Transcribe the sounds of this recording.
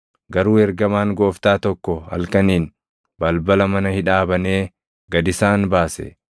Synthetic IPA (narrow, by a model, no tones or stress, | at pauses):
ɡɐɾuːɛɾɡɐmaːŋɡo̞ːft̪aːt̪ɔkːɔhɐ̰lkɐniːn | bɐlbɐlɐmɐnɐhɪᶑaːbɐneː | ɡɐd̪ɪsaːnbaːsɛ̰